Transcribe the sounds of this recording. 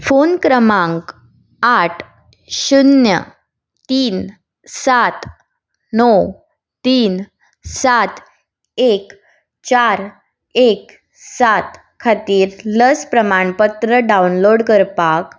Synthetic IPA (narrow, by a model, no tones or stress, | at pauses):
fonkɾəmãŋk | aʈʰ | ɕunjə̰ | t̪iːn | sat̪ | nɔw | t̪iːn | sat̪ | ek | t͡ɕaɾ | ek | sat̪ | kʰat̪iːɾləspɾəmaɳpət̪ɾəɖaunloɽkəɾpak